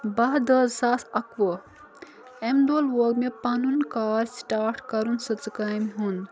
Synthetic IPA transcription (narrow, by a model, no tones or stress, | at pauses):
bɐɦd̪əzsaːsɐkʋə | emd̪oːlʋoɡmepanunkaːɾsʈaːɾʈkɐɾunsɐt͡sɨkaːjmɦun